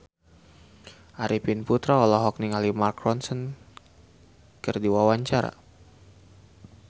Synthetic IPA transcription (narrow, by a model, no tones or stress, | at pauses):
ʔaɾipinput̪ɾaɔlɔɦɔk̚niŋalimarkrɔnsən | kɨrdiwawaɲt͡ʃaɾa̰